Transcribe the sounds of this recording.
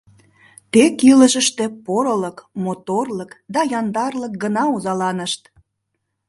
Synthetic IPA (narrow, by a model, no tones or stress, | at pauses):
t̪ekiləʒəʃt̪ĕpoɾələkmot̪orləkd̪ɑjɑnd̪ɑrlək̚ɡənɑuzɑlɑnəʃt̪